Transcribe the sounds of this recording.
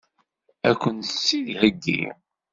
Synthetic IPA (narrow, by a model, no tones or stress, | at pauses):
ækʷːənsːilhəɡːḭ